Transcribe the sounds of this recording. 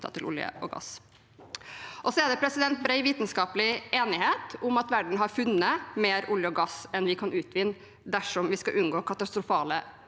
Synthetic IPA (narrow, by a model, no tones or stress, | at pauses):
ɑ̰t̪ʰɪlʔʊ̰ljə̰ʔɔ̰ɡɑ̰s | ʔɔsɔɛd̪ɛpʰɾɛsɪd̪ɛnt̪̚bɾɛɪʋiːt̪n̩skɑːplɪeːnɪheːt̪ʊmɑt̪ʋæɖɳ̩ɦɑɾfʉnːəmeːɾʊljəɔɡɑsɛnʋɪkʰɑnʉːt̪ʰʋɪnː | d̪æʂɔmʋɪskɑʔʉnɡoːkʰɑt̪ɑst̪ɾʊfɑːlə